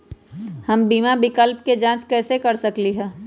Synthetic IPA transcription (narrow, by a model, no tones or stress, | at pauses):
hɐmbiːmabɪkəlpked͡ʒãːt͡ʃkɛːsekɐɾsɐkliɦɛː